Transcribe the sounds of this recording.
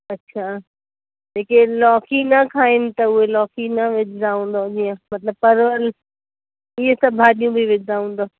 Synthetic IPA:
ɐtːɕʰaː | d͡ʑeːkelɔːkʰinɐkʰaːɪnɪ̆t̪ɐʊɦelɔːkʰinɐʋɪd͡ʑd̪aːɦũːn̆d̪od͡ʑiːə̃mɐt̪ləb̚pɐɾʋəl | ɪɦesɐbʱaːɗijũbʱiʋɪd͡ʑd̪aːɦũːn̆d̪oː

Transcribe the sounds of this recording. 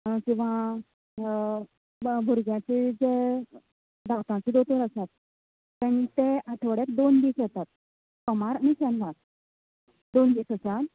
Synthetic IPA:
kĩw̃ʋa | bʱuɾɡjãt͡sed͡ze | d̪awt̪ãt͡sid̪ot̪əɾəsat̪̚ | pənit̪eaʈ̪ʰʋəɽekd̪ond̪iːsjt̪at̪̚ | kɔmaɾnisɛ̃nʋaɾ | d̪ond̪iːsəsal

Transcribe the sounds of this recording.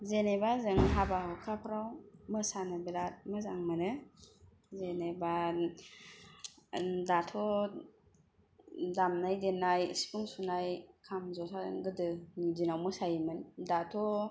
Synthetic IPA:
zenebazɯŋɦabahɯkʰapʰɾawmɯsanɯbiɾat̚mɯzaŋmɯnɯ | zeneba | datʰɔ | damnajdenajsi̥pʰuŋsunajkʰamzɔsʰaŋɡɯdɯnidinawmɯsajimɯndatʰɔ

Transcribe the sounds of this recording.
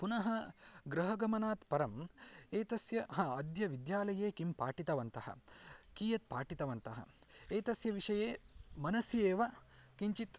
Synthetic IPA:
punɐɦɐɡɾɐɦɐɡɐmɐnaːt̪pɐɾɐmeːt̪ɐsjɐhãːɐd̪jɐʋid̪jaːlɐjeːkimpaːʈit̪ɐʋɐnt̪ɐhɐ̰kiːjɐt̪̚paːʈit̪ɐʋɐnt̪ɐɦɐ̰eːt̪ɐsjɐʋiʂɐjeːmɐnɐsjeːʋɐkiɲt͡ʃit̪

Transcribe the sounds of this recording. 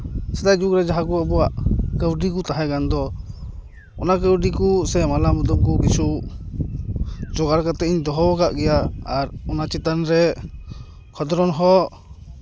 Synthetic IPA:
sɛd̪ajd͡ʒukɾɛd͡ʒaɦakuabɔwaʔkəwɖik̬ut̪aɦakand̪ɔ | ɔ̰nakəwɖikusɛmalamud̪ɔmkɔkisu | d͡ʒɔɡaɾkat̪ɛʔiɲd̪ɔɦɔkaʔɡɛjaaɾɔnat͡ʃɛt̪anɾɛ | kʰɔd̪ɔɾɔnɦɔʔ

